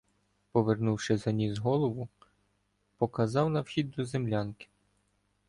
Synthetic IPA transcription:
pɔʋernuwʃɪzɐnʲizɦɔlˠɔʋʊ | pɔkɐzɑwnɐwxʲid̪̚ːɔzemlʲɑnkɪ̥

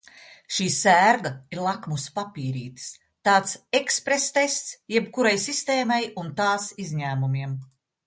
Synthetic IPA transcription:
ʃiːsæːɾɡaiɾlˠakmuspapʲiːɾiːt̪ɨ̥s | t̪aːt̪sekspɾest̪est̪sjɛbkuɾajsist̪eːmajunt̪aːsizʲɲæːmumiɛm

